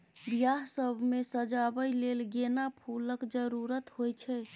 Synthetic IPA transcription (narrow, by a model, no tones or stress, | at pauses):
bjaɦsəbʱmesəd͡ʒabəjlelɡenapʰuləkd͡ʒəɾuɾət̪ɦojt͡ʃʰɛ